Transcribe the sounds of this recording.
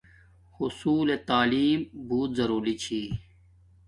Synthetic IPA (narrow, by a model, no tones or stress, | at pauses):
hʊsuːlet̪aːliːmbuːt̪zɐɾuːlit͡ɕʰiː